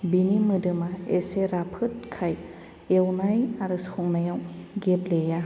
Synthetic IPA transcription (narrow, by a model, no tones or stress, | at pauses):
binimɯdɯmaeseɾapʰɯt̚kʰaj | ewnajaɾɯshuŋnajawɡebleja